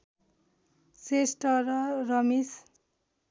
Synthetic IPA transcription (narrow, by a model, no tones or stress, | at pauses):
sesʈʌɾʌrʌmis